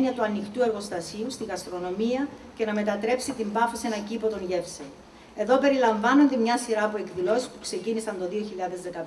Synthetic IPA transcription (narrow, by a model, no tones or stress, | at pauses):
niɐt̪uɐnixt̪ue̞ɾɣo̞st̪ɐsiust̪iɣɐst̪ɾo̞no̞miɐce̞nɐme̞t̪ɐt̪ɾe̞psit̪imbɐfosienɐcipo̞t̪o̞nʝe̞fse | e̞ðo̞pe̞ɾilɐɱvɐno̞nd̪emɲɐsiɾɐːpue̞kðilo̞si̥spukse̞cinisɐnd̪o̞ðio̞çiʎɐðe̞zðe̞kɐp